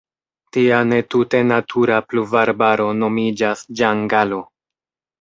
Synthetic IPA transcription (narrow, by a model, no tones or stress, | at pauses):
tiane̞tute̞natʰuɾapluvaɾbaɾo̞no̞mid͡ʒasd͡ʒaŋɡalo̞